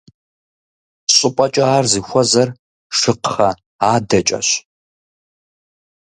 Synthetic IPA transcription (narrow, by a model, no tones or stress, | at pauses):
ɕʼɨpʼɐt͡ʃʼɐaːrzɨxʷɔzɐr | ʂɨqχɐ | aːdɐt͡ʃʼɐ̰ɕ